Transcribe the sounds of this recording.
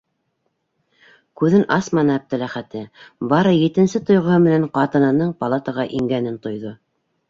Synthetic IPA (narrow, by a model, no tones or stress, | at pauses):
kʉðɘnʔɑsmɑnɤæp̚t̪ɘ̆læχæt̪ɘbɑɾɤjit̪ɘ̆nsɘt̪ŏjʁɤ̆hɤmɘ̆næɴqɑt̪ɤ̆nɤ̆nɤɴpɑlˠat̪ɑʁɑʔiŋɡænɘnt̪ŏjðo